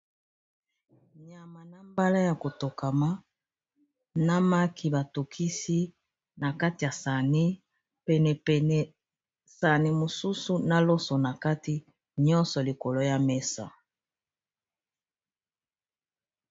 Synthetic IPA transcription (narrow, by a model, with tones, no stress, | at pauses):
ɲa˨ma˨na˦mba˦la˦ja˨ko˨to˨ka˨ma˦ | na˦ma˦kʰi˨ba˨to˨kʰi˦si˦ | na˨ka˦ti˨ja˨sa˨ni˦ | pɛ˨nɛ˨ɛ˨n˨ | sa˨ni˨mo˨su˦su˦na˦lɔ˦sɔ˨na˨ka˦ti˦ | ɲɔ̃˦nsɔ˨li˨ko˨lo˨ja˦me˦sa̰˨